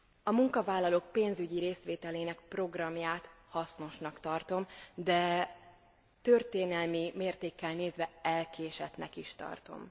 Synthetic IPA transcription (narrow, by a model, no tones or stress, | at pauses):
ɒmuŋkɒvaːlːɒloːk̚peːnzyɟiɾeːsʋeːt̪ɛleːnɛk̚pro̞ɡrɒmjaːt̪ | hɒsno̞ʃnɒkt̪ɒrt̪o̞md̪ɛ | t̪ørt̪eːnɛlmimeːrt̪eːkːɛlneːzʋɛɛlkeːʃɛt̪nɛkiʃt̪ɒ̰rt̪o̞̰m